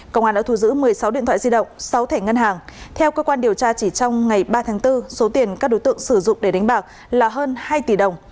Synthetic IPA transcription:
kə˧˨wŋ͡maː˨˩ɗa̰ː˧˥t̪ʰu˧˩zɨ̰˧˥mɨ˨˩əjsa˨˦wɗḭ˧˨t̪ʰwa̰ː˧˨zi˧ɗə̰˧˨wŋ͡msa˨˦wt̪ʰɛ˧˩ŋə˧nɦaː˨˩ŋt̪ʰɛ˧wkəː˧kwaː˧nɗi˨˩əwt͡ɕaː˧t͡ɕi˧˩t͡ɕɔ˧wŋ͡mŋa˨˩jɓaː˧t̪ʰaː˨˦ŋt̪ɨ˧so˨˦t̪i˨˩ənkaː˦˥k̚ɗo˨˦jt̪ɨ̰˧˨əŋsɨ˧˩zʊ̰˧˨ŋ͡mɗe˧˩ɗa˨˦ŋ̟ɓaː˨˩k̚ | laː˨˩ɦəː˧nhaː˧jt̪i˧˩ɗə˨˩wŋ͡m

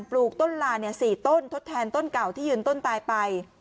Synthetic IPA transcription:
npluː˨˩k̚t̪o˥˩nlaː˧ni˥˩ɐsiː˨˩t̪o˥˩nt̪ʰo˦˥t̪ʰːɛː˧nt̪o˥˩nka˨˩wt̪ʰiː˥˩jɯː˧˩nt̪o˥˩nt̪aː˧jpa˧j

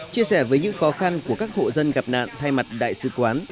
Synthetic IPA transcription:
t͡ɕi˧əsɛ˧˩vəː˨˦jɲɨ̰˧˥ŋxɔ˨˦xa˧nku˧˩əkaː˦˥k̚ho̰˧˨zə˧nɣa˨˩p̚na̰ː˧˨nt̪ʰa˧jma˨˩t̚ɗa̰ː˧˨jsɨ̰˧˨kwaː˨˦n

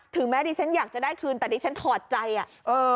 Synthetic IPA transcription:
t̪ʰɯ˨˩˦ŋmɛː˦˥diː˧t͡ɕʰa˦˥njaː˨˩k̚t͡ɕa˨˩da˥˩jkʰɯː˧nt̪ɛː˨˩diː˧˩t͡ɕʰa˦˥nt̪ʰɔː˨˩t̪̚t͡ɕa˧jʔa˨˩ʔʔɤː˧

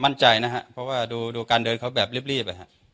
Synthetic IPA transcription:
ma˥˩nt͡ɕa˧jna˦˥ɦʰa˦˥pʰɾɔ˦˥waː˥˩duː˧duː˧kaː˧ndɤː˧nkʰa˦˥wbɛː˨˩p̚liː˦˥˩p̚liː˥˩pːa˧jɦa̰˦˥ʔ

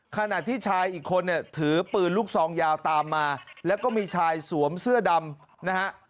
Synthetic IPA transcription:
kʰa˧na˨˩t̪ʰːiː˥˩t͡ɕʰaː˧jʔiː˨˩kʰːo˧nːi˥˩ət̪ʰɯː˩˦pɯː˨˩nluː˦˥˩k̚sɔː˩˦ŋjaː˧wt̪aː˧mːaː˧lɛː˦˥wkɔː˥˩miː˧t͡ɕʰaː˧jsu˨˩˦əmsɯ˥˩ɐda˧m | na˦˥ha˦˥ʔ

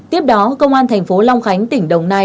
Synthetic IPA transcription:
t̪i˦˥əp̚ɗɔ˨˦kə˧wŋ͡mʔaː˧nt̪ʰŋ̟fo˨˦la˧wŋ͡mxa˨˦jŋ̟t̪ï˧˩ŋ̟ɗə˨wŋ͡mna˧˩

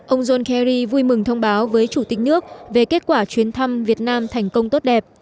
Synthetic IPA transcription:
ʔə˧wŋ͡mzo˧nkɛ˧ɾi˧vu˧jmɨ˨˩ŋt̪ʰə˧wŋ͡mɓaː˨˦wvəː˨˦jt͡ɕu˧˩t̪ï˨˩k̟̚nɨ˦˥ək̚ve˨˩ke˦˥t̚kwaː˧˩t͡ɕwi˨˦ənt̪ʰa˧mvi˨˩ət̚naː˧mt̪ʰa˨˩jŋ̟kə˧wŋ͡mt̪o˦˥t̚ɗɛ˨˩p̚

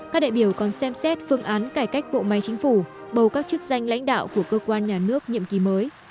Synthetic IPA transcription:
kaː˦˥k̚ɗa̰ː˧˨jɓi˧˩əwkɔ˨˩nsɛ˧msɛ˦˥t̚fɨ˧əŋʔaː˨˦nkaː˧˩jka˦˥jk̟̚ɓo̰˧˨ma˨˦jt͡ɕï˨˦ŋ̟fu˧˩ɓə˨˩wkaː˦˥k̚t͡ɕɨ˦˥k̚za˧jŋ̟la̰˧˥jŋ̟ɗa̰ː˧˨wku˧˩əkəː˧kwaː˧nɲaː˨˩nɨ˦˥ək̚ɲḭ˧˨əmki˨˦məː˨˦j

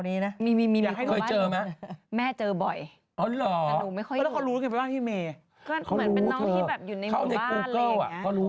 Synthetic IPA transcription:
niː˦˥na˦˥miː˧miː˧miː˧˨aː˨˧kha˥˩˨kʰːɤ˧˥˩t͡ɕɤː˧ma˦˥mɛː˥˩t͡ɕɤː˧bɔ˨˩j | ʔɔː˨˦lɔː˩˨˩duː˨˩ma˥˩jkʰɔ˥˩jɛː˦˥kʰːɾu˦˥˧ŋa˧pːwa˥˩t̪iː˥˩meː˧ | kɔː˥˩kʰa˧˥˧ɾuː˧˨˦t̪ʰoː˧iː˥˩bɛː˨˩p̚ju˨˩na˧jʰa˥˩˧na˧˩˥o˧˩kɤː˥˩wa̰˨˩˦kɔː˥˩ɾuː˦˥

